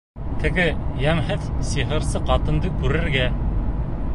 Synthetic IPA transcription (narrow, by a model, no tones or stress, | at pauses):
t̪ɘ̆ɡɘjæmɦɘðsiɦɤ̆ɾsɤqɑt̪ɤ̆nd̪ɤkʉɾɘ̆ɾɡæ